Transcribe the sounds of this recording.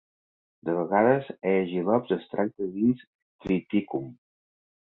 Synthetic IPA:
d̪əβəɣaðəzɛʒilɔpzəst̪ɾʔak̚t̪əðins | t̪ɾit̪ikum

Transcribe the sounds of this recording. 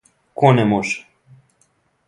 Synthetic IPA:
konemoʃ

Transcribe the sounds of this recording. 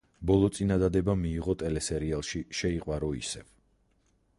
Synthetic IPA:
bɔlˠɔt̪sʼinad̪ad̪ɛbamiːʁɔt̪ʼɛlɛsɛɾialˠʃiʃɛiqʼwaɾɔḭsɛ̰v

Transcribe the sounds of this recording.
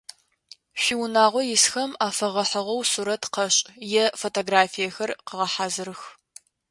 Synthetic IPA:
ɕʷiwnaːʁʷɔjɪsxɐmaːfɐʁɐħɐʁɐwsuːɾɐtʰqɐɕʼjɛfotʰoːɡraːfijɐxɐrqəʁɐħaːzɨɾɨx

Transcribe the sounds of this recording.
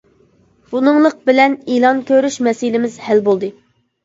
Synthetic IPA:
b̥unɨŋlˠəq̚bɪlɛnilˠɑnkʲʰøɾyʃmɛsilɪmɪzhɛlbolˠd̪ɨ

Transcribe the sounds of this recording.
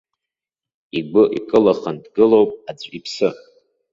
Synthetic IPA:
iɡʷʊʔḭkʼɨlaχandɡɨlowpʼad͡zʷʼipʰsɨ

